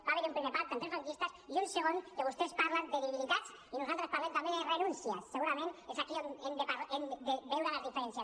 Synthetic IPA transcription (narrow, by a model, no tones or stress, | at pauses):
baβeɾumpɾimeɾpaɾt̪ant̪ɾezaŋkist̪asiunseɣ̞onk̪eβust̪espaɾland̪eβiβiit̪at͡s | inusalt̪ɾespaɾlemnt̪ambenrenũnsja̰sːeɣuɾamẽnesakionend̪epaɾend̪ebewɾalazðifeɾensja